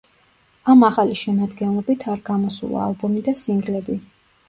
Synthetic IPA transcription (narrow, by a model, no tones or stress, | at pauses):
amaχaliʃɛmad̪ɡɛnlˠɔbit̪ʰaɾɡamɔsṵlˠa̰ːlˠbɔmid̪asiŋɡlɛbi